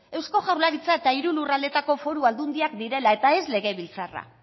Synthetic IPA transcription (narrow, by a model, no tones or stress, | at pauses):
e̞wsko̞ʝawlaɾit͡sae̞t̪aiɾulurald̪e̞t̪ako̞fo̞ɾuald̪und̪iakd̪iɾe̞lae̞t̪ae̞sle̞ɣe̞βilt͡sara̰